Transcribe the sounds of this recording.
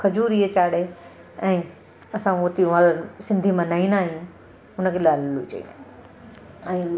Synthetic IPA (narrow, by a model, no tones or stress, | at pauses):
kʰɐd͡ʑuːɾiɦet͡ɕaːɽe | ɛ̃ː | ɐsãʊt̪iũʋãlosɪ̃nd̪ʱimãnaĩnaːɦijũ | ʊnəkʰelaːllut͡ɕɐ̰ḭna | ɛ̃ː